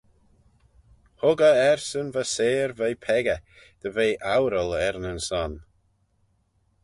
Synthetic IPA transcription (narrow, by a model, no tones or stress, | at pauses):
hʊɡəɛɹsənvəseːɾvejpʰɛɡə | d̪̥əveːʔawɾəlˠɛɾnənsɔn